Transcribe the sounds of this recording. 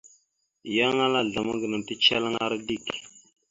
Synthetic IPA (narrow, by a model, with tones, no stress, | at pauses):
ja˦ŋa˦la˦ɮa˨ma˦ɡə˨na˨ti˦t͡ʃa˦la˦ŋa˦ɾa˦di˦˨k